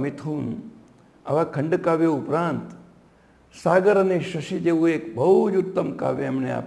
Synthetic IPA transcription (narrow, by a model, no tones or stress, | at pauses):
mit̪ʰuːn | ɐʋakʰɐɳɖkaːʋjeupɾãːnt̪ | saːɡəɾɐneʃɐʃid͡ʒeʋũeːkbʱɐud͡ʒut̪ːəmka̰ːʋeɐmnea̰ːp